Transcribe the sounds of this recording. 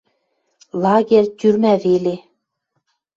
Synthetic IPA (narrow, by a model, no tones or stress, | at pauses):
lˠɑɡʲerʲt̪ʲyɾmævele